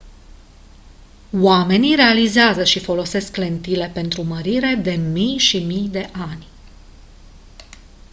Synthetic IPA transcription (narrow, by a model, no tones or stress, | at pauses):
wame̞niɾe̞alizeazəʃifo̞lo̞se̞skle̞nt̪ile̞pe̞nt̪ɾuməɾiɾe̞d̪e̞mijʃimijd̪e̞ʔanʲ